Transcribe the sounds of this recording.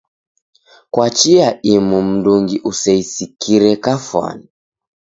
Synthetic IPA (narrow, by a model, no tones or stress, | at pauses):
kwat͡ʃiaimum̩duŋɡiʔusɛisikiɾɛkafwa̰ni